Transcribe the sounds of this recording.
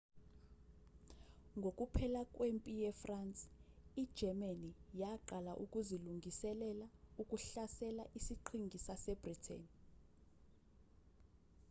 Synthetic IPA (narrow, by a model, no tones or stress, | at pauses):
ŋɡʱok̬ʼupʰɛlak̬ʼwempʼijɛfrant͡sʼid̥ʒ̥ʱɛmanijaǃalaʔukʼuziluŋɡʱisɛlɛlaukʼuɬasɛlaʔisiǃʰiŋɡʱisasɛb̥ritʰɛ̰n